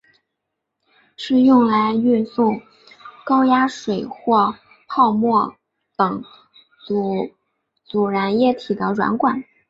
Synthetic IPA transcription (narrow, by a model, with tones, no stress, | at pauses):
ʂɻ̩˥˧jʊ˥˩ŋla˧˥ɪy˥˧nsʊ˥˩ŋ | kɑ˥ʊja˥ʂwe˨˩ɪxwɔ˥˧ | pʰɑ˥˧ʊmwɔ˥˩ | t̪ɤ˨˧˥ŋ˧˩ | t͡su˨˩ɻa˧˥njɛ˥˩t̪ʰi˨˩d̪ə˦ɻwa̰˧˥nkwa˨˩˦n